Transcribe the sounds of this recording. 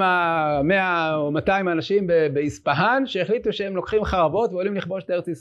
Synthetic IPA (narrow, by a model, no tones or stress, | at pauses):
ameaomataimanaʃimbebeispaɦanʃeeχlit̪uʃeemlo̞kχimχaʁavo̞tveo̞limliχbo̞ʃtae̞et͡sis